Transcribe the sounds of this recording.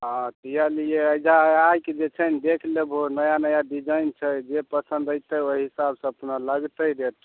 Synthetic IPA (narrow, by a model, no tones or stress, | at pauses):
ɦãt̪əjalieəjd͡ʒʱaajked͡ʒet͡ʃʰənid̪ekʰlebonəjanəjaɖid͡ʒajnt͡ʃʰəd͡ʒepəsə̃nd̪əjt̪əoɦisabsə̃əpnaləɡt̪əjɾet̪